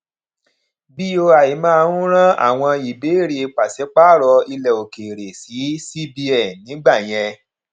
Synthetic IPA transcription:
bi˦o˧a˨i˨mãː˦˧˦ɾũ˦ɾ̃ã˦a̰˦˨w̃ɔ̃˧i˨be˨˦˨ɾi˦e˧k͡pa˨sɛ˨˦k͡pa˦˨ɾɔ˧i˧lɛ˨o˨ke˨ɾe˨si˨˦si˦bi˧ɛ˨nĩ˨˦ɡ͡ba˦˨j̃ɛ̃˧

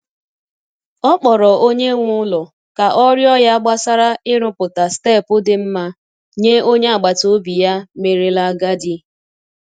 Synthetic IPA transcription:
ɔ˦k͡pɔ˨ɾɔ˨ʔo˦ɲe˦ŋʷʊ˦lɔ˨ | ka˨ʔɔ˦ɾjɔ˦ja˦ɡ͡ba˦sa˦ɾa˦ɪ˦ɾʊ˦pʊ˨ta˨ste˦˨pʊ˦dɪ˨m̩˦ma˦ | ɲe˦o˦ɲe˦a˨ɡ͡ba˨to˦bi˨ja˦me˨ɾe˦la˦ɡa˦di˦

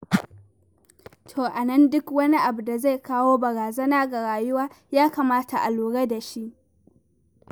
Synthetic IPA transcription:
tʰoː˨ʔa˨nɐ˦ndʊ˦kwɐ˦ni˦ʔa˨bu˨da˨za˦˨jkaː˦woː˦bɐ˨ɽaː˨zɐ˦naː˦ɡa˨ɽaː˨jʊ˦waː˦ | jaː˦ka˨maː˦tʰa˨ʔa̰˨luː˨ɽa˦da˨ʃi˦ʔ

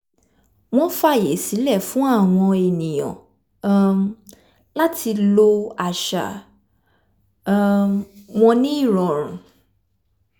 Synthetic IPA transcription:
w̃ɔ̃˦fa˦˨je˨˦si˨˦lɛ˦˨fũ˨˦a˦˨w̃ɔ̃˧e˨nĩ˨j̃ɔ̰̃˨˦ | la˦tʰi˧lo˧a˨ʃa̰˨ | wɔ̃˧nĩ˦i˦˨ɾ̃ɔ̃˨ɾ̃ũ˨

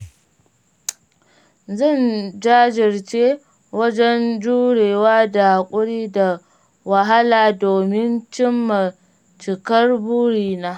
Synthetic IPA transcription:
zɐ˦˨nd͡ʒaː˦d͡ʒɪ˨rt͡ʃeː˦ | wɐ˦d͡ʒɛ˦nd͡ʒuː˦ɽeː˨waː˦da˨kʷʼʊ˦ɽiː˦da˨ | wɐ˨ɦa˦laː˨doː˨mɪ˦nt͡ʃɪ˦mːa˨ | t͡ʃɪ˨kɐ˦rbuː˦ɽiː˨naː˦

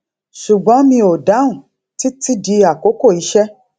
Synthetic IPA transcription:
ʃu˨ɡ͡bɔ̃˨˦mĩ˧o˨da˨˦ũ˨ | ti˦ti˦di˧a˨ko˨˦ko˦˨i˨˦ʃɛ˦

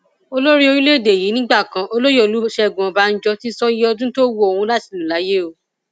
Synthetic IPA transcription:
o˧lo˦ɾi˦o˧ɾĩ˦le˦˨de˨ji˨˦nĩ˦ɡ͡ba˦˨kã˧ʔo˧lo˦jɔ˦˨lu˨˦ʃɛ˧˨ɡũ˨ɔ̃˨ba˨˦n̩˦d͡ʒɔ˧ti˦sɔ˦ɔ˧dũ˦to˦wo˦o˨hũ˧la˦ti˨lu˨la˨˦je˦o˨

